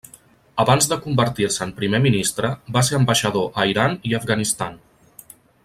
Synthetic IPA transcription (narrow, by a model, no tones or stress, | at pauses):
əβanzðəkumbəɾt̪iɾsəmpɾimeminist̪ɾəbas̬eɾəmbəʃəðoʔəiɾaniəfɣənist̪a̰n